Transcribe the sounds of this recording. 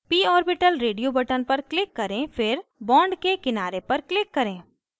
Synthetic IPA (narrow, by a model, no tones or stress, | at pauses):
piːɔːɾbɪʈəlɾeːɖijobɐʈənpɐɾklɪkːɐɾẽfʰɪɾbɔ̃ːɳɖkekɪnaːɾepɐɾklɪkːɐɾẽː